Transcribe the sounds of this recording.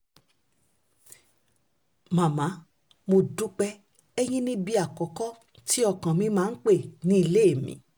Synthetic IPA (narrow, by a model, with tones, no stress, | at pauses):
mã˨mã˨˦ | mo˧du˦k͡pɛ˧˦ | ɛ˦j̃ĩ˦nĩ˦bi˧a˨kɔ˨˦kɔ˦ | ti˦ɔ˦˨kã˨mĩ˧˦mãː˦n̩˦k͡pe˦˨nĩ˨˦i˧le˦e˦˨mḭ̃˨˦